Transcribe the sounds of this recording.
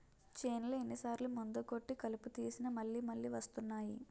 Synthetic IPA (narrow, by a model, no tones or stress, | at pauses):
t͡ʃeːnlɐenːisaːɾlumund̪uko̞ʈːikɐluput̪iːsinɐmɐɭːiːmɐɭːiːʋɐst̪unːaːji